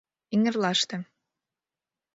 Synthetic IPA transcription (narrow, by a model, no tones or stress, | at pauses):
iŋɘ̆rlɑʃt̪ɤ̆